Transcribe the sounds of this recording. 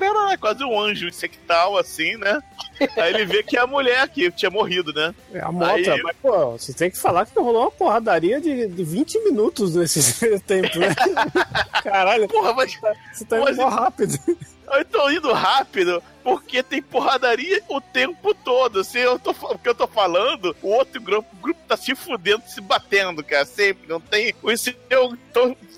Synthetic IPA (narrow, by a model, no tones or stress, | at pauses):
kɾɛɾɛkwazɪũɐ̃ʒʊĩseki̥t̪awasĩnɛaelɪvekɪɛɐmuʎɛɾkɪt͡ʃĩɲɐmoɦid̪ʊnɛɛ̰a̰mɔt̪ɾɐmɐspoɦset̪ẽj̃kɪ̥falaɾkɪ̥t̪oɦolõmɐpohad̪aɾiɐd͡ʒɪd͡ʒɪvĩnt͡ʃɪmĩnut̪ʊznesɪt̪ẽmpʊnɛ | kaɾaʎʊpohɐmajsset̪aĩmzãɦapid̪ʊ | oẽt̪õĩnd̪ʊɦapid̪ʊ | poɾket̪ẽj̃poɦad̪aɾiɐʊt̪ẽmpʊt̪od̪ʊsɪewt̪ofapʊkeewt̪ofalɐ̃nd̪ʊʊot̪ɾʊɡɾupʊɡɾupʊ̥t̪asĩfũd̪ẽnd̪ʊsɪbat̪ẽnd̪ʊkaɾɐsẽmpɾɪnɐ̃w̃t̪ẽj̃ʊĩsit̪ẽt̪õ